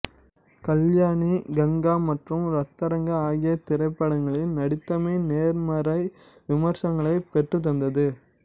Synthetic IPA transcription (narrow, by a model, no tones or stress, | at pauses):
kɐljaːɳiɡɐŋɡaːmɐʈrɯmɾɐt̪ːɐɾɐŋɡɐaːɣɪjɐt̪ɪɾɐɪpːɐɽɐŋɡɐɭɪlnɐɽɪt̪ːɐmeːneːɾmɐɾɐɪ | ʋɪmɐɾsɐŋɡɐɭɐɪpɛʈrɯt̪̬ːɐnd̪ɐðɯ